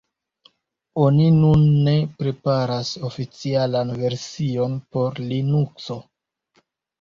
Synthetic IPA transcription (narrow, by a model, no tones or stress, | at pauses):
o̞ninunːe̞pɾe̞paɾaso̞fit͡sialanve̞ɾsio̞npo̞ɾlinukso̞